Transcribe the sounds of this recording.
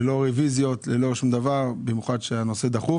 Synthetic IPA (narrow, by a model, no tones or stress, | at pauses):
lo̞ʁevizjo̞tlelo̞ʃumd̪avaʁbimjuχad̪ʃeano̞se̞d̪aχu